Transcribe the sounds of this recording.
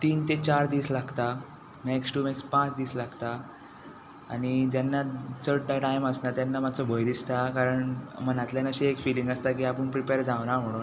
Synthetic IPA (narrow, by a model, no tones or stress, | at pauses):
t̪iːnt̪et͡ɕaɾd̪iːslaɡt̪a | meksʈuːmekspãt͡sd̪iːslaɡt̪a | aɽ̃id͡ʑjanːat͡səɽʈaʈajməsnat̪janːamat͡sɔbʱəjɾist̪akaɾəɳmənat̪ljanəɕiekfilĩŋɡəst̪akiːapəɳpɾipeɾd͡zãʋnam̤əɽ̃o